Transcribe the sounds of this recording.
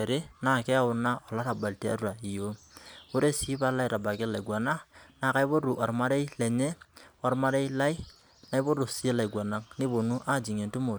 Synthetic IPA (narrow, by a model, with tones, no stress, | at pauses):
ɛ˨ɾɪ˦na˦˨kɛ˦a˦ʊ˦na˦ɔ˨la˦ɾa˨ba˨lti˦a̰˦ɾu˦a˨i˨jo˦o˦ɾe˦si˦pa˦la˦jɾa˨ba˨kɪ˦la˨ɪ˨ɡwa˨na˦na˨˦ka˦ɪ˦bo˦ɾu˨ʔa˨ɾma˦ɾe˦i˦lɛ˨ɲɛ˦wa˨ɾma˦ɾe˦jla˦ɪ˦ | na˦ɪ˦bo˦ɾʊ˨si˦e˦la˨ɪ˨ɡwa˨na˦ŋnɪ˦bo˨nu˦ʔa˦d͡ʒi˨ŋe˨ntʊ˦mo˨